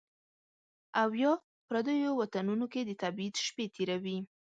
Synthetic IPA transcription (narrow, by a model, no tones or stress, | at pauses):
awjɑ | pɾad̪əjowat̪anunoked̪ət̪abit̪ʃpet̪ʰeɾawi